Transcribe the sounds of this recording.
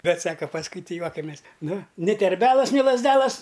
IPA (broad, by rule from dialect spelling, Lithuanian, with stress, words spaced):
ˈbʲɛt ˈsɑːkɐ pɐsˈkʊɪ ˈtʲɪ ˈjuɔkɐmʲeːs ˈnʊ nʲɪ tʲɛrʲˈbʲæːlˠɐs nʲɪ lˠɐzʲˈdʲæːlˠɐs